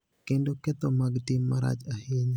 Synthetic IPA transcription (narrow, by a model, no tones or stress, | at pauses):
kendokɛt̪omaɡtɪmːaɾa̰d͡ʒaheɲ